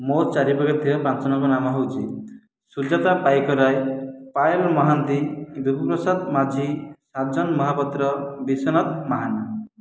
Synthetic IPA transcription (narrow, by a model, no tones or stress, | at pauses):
mot͡ʃaɾibɔkɔt̪ʰiɾɔpɾansɔnɔŋkɔnamɔɦowt͡ʃʰi | sud͡ʒat̪apajkɔɾajpajɔlmɔɦant̪ibibɔpɾɔsad̪mad͡ʒʱisad͡ʒɔnmɔɦapɔt̪ɾɔbisɔnɔt̪maɦana